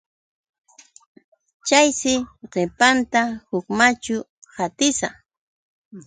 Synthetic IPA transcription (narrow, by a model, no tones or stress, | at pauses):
t͡ʃajsɪɢepant̪ahʊkmat͡ʃʊ | hat̪ɪsa